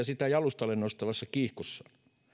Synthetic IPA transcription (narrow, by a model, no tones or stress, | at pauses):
ɑsit̪æjɑlust̪ɑlennost̪ɑʋɑsːɑkiːhkosːɑ̥